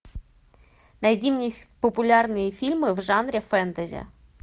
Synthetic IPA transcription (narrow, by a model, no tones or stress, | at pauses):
nɐjdʲimnʲipopʊlʲarnɨjəfʲilʲmɨvʐɑnɾʲefɛnt̪əzʲḛ